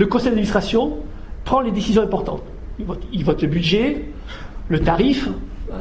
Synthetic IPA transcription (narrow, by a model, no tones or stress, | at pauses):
ləkɔ̃sɛjd̪ad̪mĩst̪χasjɔ̃ | pχɑ̃led̪esizjɔ̃ɛ̃pɔʁt̪ɑ̰̃t̪ | ivɔt̪ilvɔt̪ləbyd̪ʒe | lət̪aʁif